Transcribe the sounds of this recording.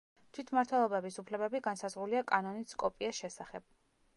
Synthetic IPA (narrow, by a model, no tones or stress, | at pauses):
t̪ʰwit̪ʰmaɾt̪ʰwɛlˠɔbɛbisupʰlɛbɛbiɡansazʁuliakʼanɔniskʼɔpʼiasʃɛsaχɛb̥̚